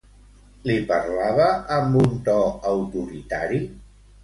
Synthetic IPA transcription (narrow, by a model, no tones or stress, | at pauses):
lipəɾlaβəːmbunt̪ɔəwt̪uɾit̪aɾi